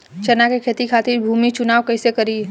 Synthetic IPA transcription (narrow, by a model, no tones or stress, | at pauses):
t͡ʃɐnakekʰeːt̪ikʰaːt̪iɾbʱuːmit͡ʃʊnaːʋkɐɪsekɐɾi